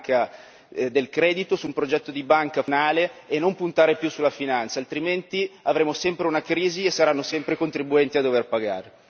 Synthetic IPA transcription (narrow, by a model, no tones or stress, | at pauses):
ka | d̪elkɾɛːd̪it̪osumpɾod͡ʒɛt̪ːod̪ibaŋkanaːleːnːompunt̪aːɾepjusulːafinant̪salt̪ɾiment̪iavɾeːmosɛmpɾeunakɾiːziesːaɾanːosɛmpɾekont̪ɾibuɛnt̪iad̪overpaɡa̰ːɾe